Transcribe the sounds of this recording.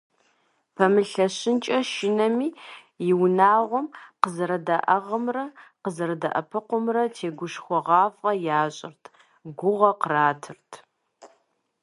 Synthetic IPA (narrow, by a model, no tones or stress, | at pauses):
pʰɐmɨɬɐɕɪnt͡ʃʼɐʃɪnɐmiː | jɪwnaːʁʷɔmqəzɐɾɐdaʔɐʁɐmrɐqəzɐɾɐdɐ̰ʔɐpʰɨqʷʊmrɐtʰeːɡʷʊʃxʷɔʁɑːfʼɐjaːɕʼɪrtʰ | ɡʷʊʁɐqəraːtʰɨrtʰ